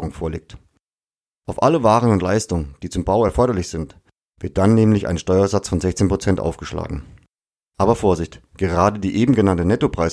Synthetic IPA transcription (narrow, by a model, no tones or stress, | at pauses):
ʁʊŋfoːɐlḛːk̚t | ʔaʊfʔaləvaːʁ̞ənʊntlaɪstʊŋənd̥iːt͡sʊmbaʊɛɐfɔɐɾɐlɪçz̥ɪnt | v̥ɪɐt̚d̥anːɛːmlɪçʔa̰ɪn̩ʃtɔʏɐzat͡sfɔnzɛçt͡seːnpʁ̥ot͡sɛntʔa̰ʊfɡ̥əʃla̰ːɡŋ̩ | ʔaːbɐfoːɐzɪçt | ɡ̥əʁaːdədiːʔeːbm̩ɡənantənɛtopʁ̥aɪs